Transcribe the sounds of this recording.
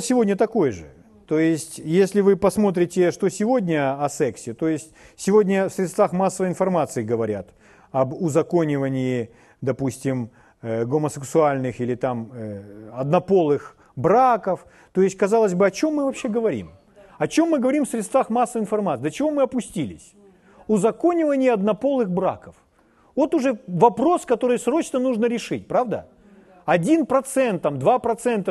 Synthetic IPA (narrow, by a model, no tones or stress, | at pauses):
sʲɪvo̞dʲnʲət̪ɐko̞jəʐɨ̰ | t̪ojɪsʲtʲjesʲlʲɪvɨpɐsmo̞t̪̬ɾʲɪtʲɪʂt̪o̞sʲɪvo̞dʲnʲəɐsɛksʲɪt̪o̞jɪsʲtʲsʲɪvo̞dʲnʲəfsʲɾʲɪt̪st̪vaxmasːəvəɪnfɐrmat̪sɨɪɡəvɐɾʲat̪ | ɐbʊzɐko̞nʲɪvənʲɪɪ | d̪ɐpusʲtʲɪm | ɡoməsʲɨksʊalʲnɨxilʲɪt̪aməɐd̪nɐpo̞lˠɨx | bɾakəf | t̪o̞ɪsʲtʲkɐzalˠəzʲbɨɐt͡ɕo̞mːɨvɐpɕːeɡəvɐɾʲḭm | ɐt͡ɕo̞mːɨɡəvɐɾʲimfsʲɾʲɪt̪st̪vaxmasːɨɪnfɐrmat̪ːd̪ət͡ɕɪvo̞mɨɐpʊsʲtʲilʲɪ̰sʲ | ʊzɐko̞nʲɪvənʲɪjɪɐd̪nɐpo̞lˠɨxbɾa̰kəf | vo̞t̪ʊʐɛvɐpɾo̞skɐt̪o̞ɾɨjsɾo̞t͡ɕnənuʐnəɾʲɪʂɨtʲpɾavd̪ə | ɐdʲinpɾɐt̪sɛnt̪ːamd̪vapɾɐt̪sɛnt̪ə